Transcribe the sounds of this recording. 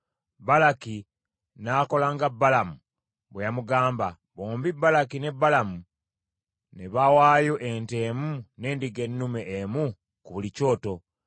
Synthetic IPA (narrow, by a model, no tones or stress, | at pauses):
balaki | nako̞laŋɡabːalamu | βwejamuɡaːmba̰ | βoːmbibːalakine̞bːalamu | neβawaːjoʔe̞nte̞ːmune̞ːndiɡe̞nːume̞ʔːmu | kuβulico̞ːto̞